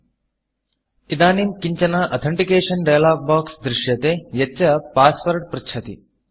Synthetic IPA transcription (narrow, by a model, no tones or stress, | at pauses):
id̪aːnimkiɲt͡ʃɐnaːʔɐt̪ʰɐɳʈikeːʂɐnɖɐjlaːɡ̚baːksd̪ɾɪʃjɐt̪eːjɐɐpaːspɐɾʈ̚pɾɐt͡ʃʰɐt̪ḭ